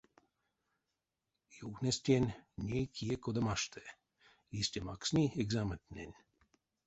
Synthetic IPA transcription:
joxnʲest̪ʲjenʲnʲejkʰijekod̪amaʃt̪ʰɛ | isʲt̪ʲema̰ksnieɡzamət̪nʲenʲ

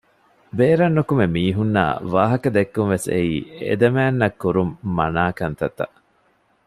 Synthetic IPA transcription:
beːɾɐnːukumemiːɦunːa̰ːʋa̰ːɦɐkɐd̪ekːunʋesḛiːḛd̪ɐmæːnːɐkːuɾumːɐnaːkɐnt̪ɐt̪ɐ̰ʔ

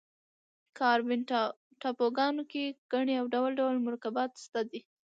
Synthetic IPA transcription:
kʰɑɾbɪn | ʈɑpoɡɑnokeɡ̥aɳeawɖawalɖawlmʊɾkabɑt̪st̪ad̪i

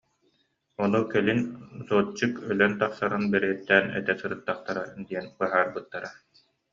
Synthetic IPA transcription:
ɔnukɛlinzɔːt͡ɕːɯkœlœnt̪aχsaɾɯnbɛɾɛɛt̪ːɛːnɛ̰t̪ɛsɯɾɯt̪ːaχt̪aɾad̪iɛnkɯɐɦaːɾbɯt̪ːaɾa

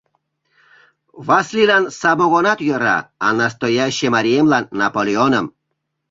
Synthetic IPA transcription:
vaslilansaboɣonat̪jøɾa̰ːnast̪ojaʃemaɾiemlanːapolʲeonəm

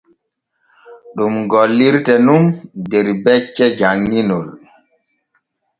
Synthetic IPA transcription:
ɗumɡɔlːiɾtɛnumdɛɾbɛt͡ʃːɛd͡ʒaŋːinɔl

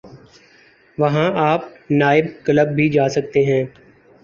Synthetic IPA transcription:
ʋɐɦãaːpnaːɪb̚kələbːʱid͡ʒaːsɐk̚t̪eɦɛ̃ː

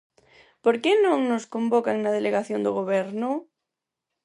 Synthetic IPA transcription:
poɾkenõŋnoskõmbokaŋnað̞eleɣaθjond̪oɣoβ̞ɛɾno

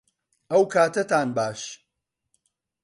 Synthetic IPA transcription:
ʔɐwkʰaːt̪ɐt̪aːnbaːʃ

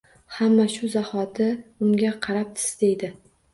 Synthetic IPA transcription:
hamːaʃʊzahɒt̪ʰɪʊmɡʲaqʰɑɾap̚t̪ʰɪ̥sd̪ejd̪ɪ

